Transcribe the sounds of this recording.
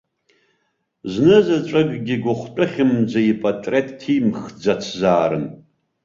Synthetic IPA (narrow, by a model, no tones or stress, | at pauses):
znɨzat͡ʃʷʼɨɡɡʲiɡʷʊχʷtʼɨχʲɪmd͡zaipʼatʼretʼːʰimχd͡zat͡sʰzaːɾɨ̰n